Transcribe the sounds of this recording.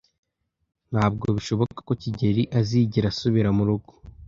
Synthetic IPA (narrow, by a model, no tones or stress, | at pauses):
n̥haːb̚ɡo̞βiʃo̞βo̞kḁko̞ciɟe̞ɾiʔaziːɟiɾasuβiɾamuɾuɡu̥